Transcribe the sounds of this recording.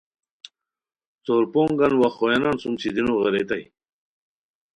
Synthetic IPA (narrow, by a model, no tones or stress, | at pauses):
t͡soɾpoŋɡanwaχojanansumt͡ɕʰid̪inoɣeɾet̪aj